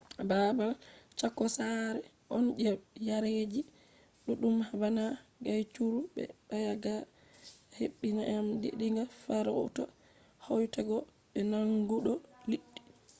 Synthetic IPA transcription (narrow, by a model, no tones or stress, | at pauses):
babalt͡ʃakːɔsaɾɛ | ʔɔnd͡ʒɛjaɾed͡ʒi | ɗuɗumhabanaɡajt͡ʃuɾubɛ̰ɓajaɡa | heɓːinaʔamdḛɗiŋɡafaɾɔtɔ | hɔjtaɡɔ | ɓɛnaŋɡuɗɔliɗːi̥